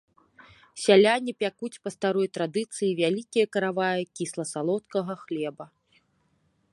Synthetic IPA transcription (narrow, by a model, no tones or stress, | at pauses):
sʲalʲanʲipʲakut͡sʲpɐst̪aɾɔjt̪ɾad̪ɨt̪sɨjivʲalʲikʲijɐkɐɾavajɐkʲislˠɐsalˠɔt̪kɐɣɐxlʲɛbɐ